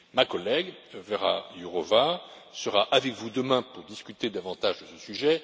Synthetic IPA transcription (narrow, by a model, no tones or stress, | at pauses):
makɔlɛɡvɛʁa̰juʁɔvasəʁaʔavɛkvud̪əmɛ̃puʁd̪iskʲyt̪ed̪avɑ̃t̪aʒd̪əsəsyʒɛ